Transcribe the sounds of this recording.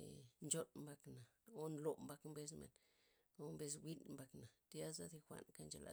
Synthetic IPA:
nd͡ʒo˦nmba˧kna˨o˦nlo˨mba˧kmbe˧s̬mḛ˨n | o˧mbe˧s̬wʷi˦nmba˧kna˨t̪ja˦za˦d̪i˧xʷa̰˧nka˦nd͡ʒa˨lʔa̰˨

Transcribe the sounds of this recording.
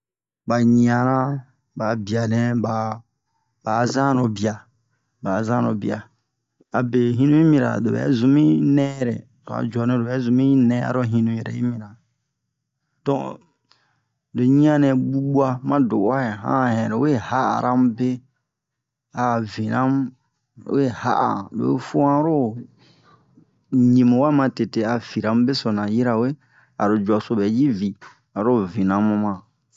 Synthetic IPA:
ba˨ɲĩ˨ã˨ɾã˦ | ba˨bi˨a˨nɛ̃˦ba˨ | ba˨zã˦no˨bi˨a˨ | ba˨zã˦no˨bḭ˨a˨ | a˨be˨ɦĩ˦nũ˦ji˦mĩ˧ɾa̰˨do˨bɛ̰˨˦zũ˨mĩ˦nɛ̃˦ɾɛ˨ | ɾa̰˨d͡ʒɔ˨nɛ̃˨˦do˨ɛ˨˦zũ˨mĩ˦nɛ̃˦a̰˦ɾo˦ɦĩ˦nũ˧ɛ˨ɾɛ̰˨i˦mĩ˨ɾa˨ | d̥ɔ̃˦ | de˨ɲĩ˦ã˦nɛ̃˨ɡ͡bu˦bu˦a˦mã˦do˨˦a˦ɛ˨ɦã̰˦˨hɛ̃˨ɾo˨˦e˦ha˦a̰˨ɾã˦m˦be˦ | a˨vi˨nã˦m˦ | e˦˨ha̰˦ʔa̰˨lo̰˨˦fu˦ã˦ɾo˦ | ɲĩ˨mũ˨wa˦mã˨˧te˨te˨a˨fi˨ɾã˨m˦be˦so˨nã˨ji˦ɾa˨we˦ | a̰˨ɾo˨d͡ʒu˨a˨so˨bɛ˨ji˦vi˨ | a˨ɾo˦vĩ˨nã˨˦mũ˧mã˨

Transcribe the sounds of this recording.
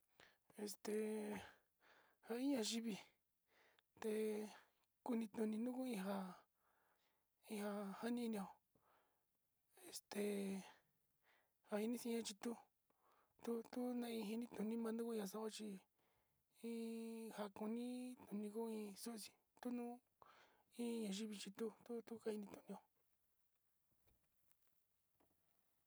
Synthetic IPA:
e˧st̪e˨ | ha˧i˦ɲã˧ʒi˧βi˧ | t̪e˧ | ku˦˧nĩ˧t̪ũ˧nĩ˧nũ˦ku˦ĩ˧ɦa˧ | ĩ˧ha˧ha˦nĩ˦i˧nĩ˧o˨ | e˨st̪e˧ | ha˧i˧nĩ˦si˧˦ã˧t͡ʃi˧t̪u˦ | t̪u˦t̪u˦nã˦˧ĩ˧ɦi˧nĩ˦t̪ũ˨nĩ˦mã˧nd̪u˦ku˦˧˦ã˧s̬a˧˦a˦t͡ʃi˧ | ĩ˦ha˧ku˧nĩ˦t̪u˨˧nĩ˧ku˦ĩ˧su˦ʔsĩ̥˨ | t̪u˦nũ˦ | ĩ˦˧ɲã˧˨ʒi˦βi˧t͡ʃi˧t̪u˦t̪u˦t̪u˦ka˧˦ĩ˧nĩ˧t̪ũ˨nĩ˧o˧

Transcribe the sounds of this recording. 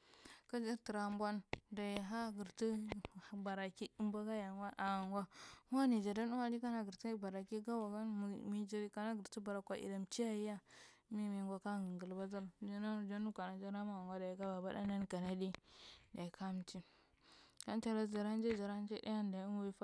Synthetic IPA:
ka˦d͡ʒi˦ti˨ɾa˨mbwa˦nda˨i˨ɦa˦ɡə˨ɾti˦˨ba˨ɾa˨ki˦mba˦ɡa˦ja˨nwa˦ʔa˨ŋɡa˦wa˦ni˨d͡ʒa˨da˦nu˦a˦di˦ka˦na˦ɡə˨ɾti˦ba˨ɾa˨ki˦ɡa˦wa˨ɡa˦˨mi˦d͡ʒa˦ka˦na˦ɡə˨ɾti˦ba˨ɾa˨kʷa˨ʔḭ˨da˨mt͡ʃi˦ja˦˨ji˦ja˦ | mi˦mi˨ŋɡʷa˦ka˦ŋə˨ŋɡu˨lba˦za˦ɾd͡ʒa˦na˦˨d͡ʒa˦nu˦kʷa˨na˨d͡ʒa˦ɾa˦ma˦wa˨ŋɡa˦da˨i˨ɡa˦ba˨ba̰˦da˦na˦nka˨na˦di˦da˨i˨kʰa˦m˦t͡ʃi˦ | ka˦n˦t͡ʃa˨ɾa˦d͡ʒa˨ɾa˦n˦d͡ʒe˦d͡ʒa˨ɾa˦n˦d͡ʒe˦da̰˦ja˦nda˨˦i˦n˦a˦fa˦

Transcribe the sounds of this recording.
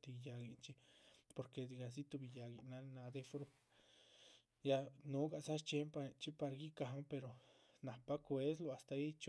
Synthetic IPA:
t̪i˧˨ja˧ɡi˨nt͡ʃi˦po˨ɾke˧˨di˧˨ɡa˨s̬i˦t̪u˧bi˧ja˨ɡi˧˨na˧na˧d̪e˦˧fɾu̥˧ | ja˧nu˧˦ɡa˧˨sa˦ʃt͡ʃe˧˦mpa˧t͡ʃi˦pa˧ɾa˧ɡi˦ka˨ɦa˦pe˧ɾo˨ | na˨pa˦kwe˦slo˧a˨st̪a˧i˦t͡ʃ

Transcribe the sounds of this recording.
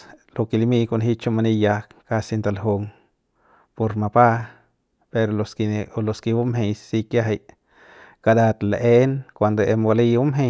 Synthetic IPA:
lo˧ki˧li˧mi˧ko˧nɦi˦t͡ʃo˧ma˧ni˧ja˧kka˧si˧nt̪a˧lɦu˧ŋ | po˧ɾma˧pa˦ | pe˧ɾoloski˧lo˧ski˧bu˦mɦe˧jssi˧kja˦ɦa˧j | ka˧d̪a˧t̪le˧ʔe˦nkʷa˧nd̪o˧e˧mbo˧li˧u˦mɦe˧

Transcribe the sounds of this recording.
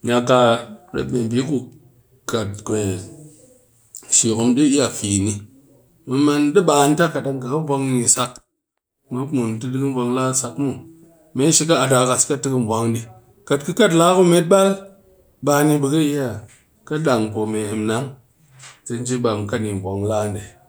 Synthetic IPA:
ɲa˧ka˧ɾḛ˨tme˨bi˨˦ku˦˧ | ka˨tke˨ | ʃi˨ko˨mɗi˦i˦ja˨fi˨ni˧ | mɨ˧ma˧nɗɨ˦ɓaː˨˧n˦ta˦ka˨ɗa˧ŋka˨ka˦bʷa˧ŋ˦ni˧sa˧k | me˨˦mu˨n˨tɨ˦dɨ˦kɨ˦a˧ŋlaː˦sa˧kmu˨ | me˨˦ʃi˧ka˦a˨ta˨ka˨ska˦tɨ˦kɨ˦m˨vʷa˨˦ŋdi˧ | ka˨t̚kɨ˦ka˦˨t̬la˦ku˦me˦t̚ɓa˦l | ɓaː˧ni˧bɨ˧ka˦i˦ja˨ | ka˦ɗa˨ŋpo˨me˨he˨mna˦ŋ | te˧n˦d͡ʒi˦ɓa˨m˨ka˦ni˨mʷ˨a˨ŋla˦˨nde˨

